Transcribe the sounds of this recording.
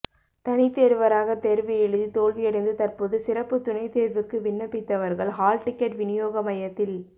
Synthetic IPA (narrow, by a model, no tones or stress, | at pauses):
t̪ɐnɪt̪ːeːɾɯʋɐɾaːɣɐt̪eːɾʋɪjɛɻɯðit̪oːlʋɪjɐɽɐɪnd̪ɯt̪ɐɾpoːðɯsɪɾɐpːɯt̪ʊnɐɪt̪eːɾʋɯkːɯʋɪɳːɐpːɪt̪ːɐʋɐɾɣɐɭɦaːlʈɪkːɐʈʋɪnɪjoːɣɐmɐjɐt̪ːɪl